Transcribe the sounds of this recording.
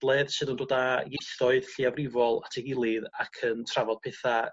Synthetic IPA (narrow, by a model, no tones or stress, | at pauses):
d̥lˠɛðsɨːðəndoːdajejθɔɨð̥ɬiawrɪvɔlˠatʰɛɡɪlˠɨðakʰəntʰravɔd̥̚pʰɛθa